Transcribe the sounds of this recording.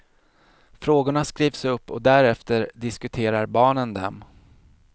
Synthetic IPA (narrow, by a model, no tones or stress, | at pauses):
fɾoːɡʊɳaskɾiːvsɵpːɔ̰d̪æɾɛft̪əɾɖ̪ɪskɵt̪ʰeːɾaɾbɑːɳənd̪ɛ̰m